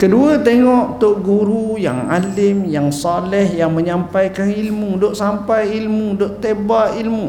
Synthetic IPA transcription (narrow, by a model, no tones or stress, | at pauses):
kəduat̪eŋɔʔt̪oʔɡuɾuja̰ŋa̰lɪmjaŋsalɛhjaŋməɲampajkanilmudoʔsampajilmudoʔt̪ebaʔilmu